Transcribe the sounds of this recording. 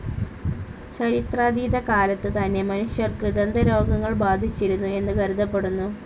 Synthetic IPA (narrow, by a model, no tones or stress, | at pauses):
t͡ɕɐɾit̪raːd̪iːd̪ɐkaːlɐt̪ːɨt̪ɐnːe̞mɐnuɕjɐrkɨd̪end̪ɐɾo̞ːɡɐŋːɐɭbaːd̪ʱit͡ɕːiɾunːue̞nːɨɡɐɾud̪ʱɐpːe̞ɽunːu